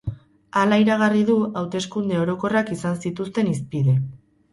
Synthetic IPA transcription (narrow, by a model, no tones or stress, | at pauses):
alaiɾaɣariðuawt̪e̞skund̪e̞o̞ɾo̞ko̞rakisansit̪ust̪e̞nispiðe̞